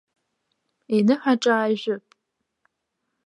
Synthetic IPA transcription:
inɨħʷᶣaʈ͡ʂʼaːʒʷᶣʊpʼ

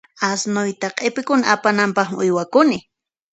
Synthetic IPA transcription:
asnʊjt̪aqʼepɪkʊnaapanampɑχʊjwakʊnɪ

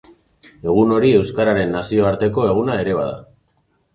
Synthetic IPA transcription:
e̞ɣ̞uno̞ɾie̞wskaɾaɾe̞nːasio̞aɾt̪e̞ko̞e̞ɣunae̞ɾe̞βa̰ða̰

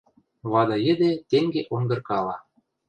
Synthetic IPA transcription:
βɑd̪ɑjɘ̆d̪et̪eŋɡeʔoŋɡ̪ɤ̆rkɑlɑ

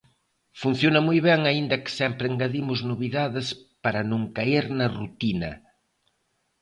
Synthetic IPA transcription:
fun̟θjonɐmujβɛŋɐind̪ɐkɪ̥sɛmpɾeŋɡaðimʊznoβiðaðɪspɐɾɐnũŋkaiɾnɐrut̪inɐ

